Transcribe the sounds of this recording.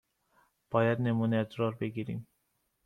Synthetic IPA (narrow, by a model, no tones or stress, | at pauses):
b̥ɒːjad̪nemuːnet̪ɾɒɾbeɡiɾḭːm